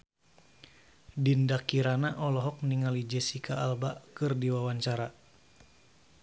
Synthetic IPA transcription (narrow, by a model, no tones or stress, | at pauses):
dindakiɾanaʔɔlɔɦɔk̚niŋalid͡ʒɛsikʰaːlbakɨrdiwawaɲt͡ʃaɾa